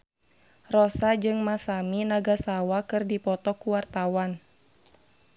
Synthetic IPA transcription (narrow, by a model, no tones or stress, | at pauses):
rɔsad͡ʒɨŋmasaminaɡasawakɨrdipɔt̪ɔkuwart̪awan